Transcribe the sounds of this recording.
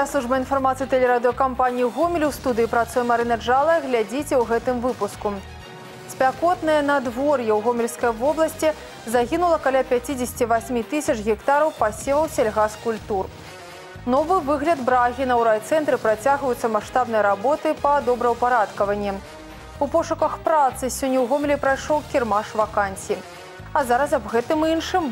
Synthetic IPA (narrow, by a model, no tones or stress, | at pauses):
aslˠuʐbɐinfarmat̪sɨit̪ɛlʲɛɾad̪ɨjɔkampanʲijiɣɔmʲilʲiwst̪ud̪ɨjipɾat̪sujɛmaɾɨnɐd͡ʐalˠɐjɣlʲad͡zʲit͡sʲɛwɣɛt̪ɨmvɨpusku | sʲpʲakɔt̪nɐjɐnɐd̪vɔrjɛwɣɔmʲilʲskɐjɐvɔblˠɐsʲt͡sʲi | zaɣʲinulˠɐkalʲapʲat͡sʲid͡zʲɪsʲt͡sʲivasʲmʲit̪ɨsʲɐt͡ʂɣʲɛkt̪aɾɐwpasʲevɐwsʲɐlʲɣaskulʲt̪ur | nɔvɨvɨɣlʲɐd̪bɾaɣʲinɐwɾajt̪sɛnt̪ɾɨpɾat͡sʲaɣvɐjut̪sɐmaʂt̪abnɐjɐɾabɔt̪ɨpɐd̪ɔbɾɐwpaɾat̪kɐvɐnʲːɛ | upɔʂukɐxpɾat̪sɨsʲɔnʲːɛwɣɔmʲlʲipɾajʂɔwkʲirmaʂvakanʲsʲji | ɐzaɾɐs̬ɐbɣɛt̪ɨminʂɨm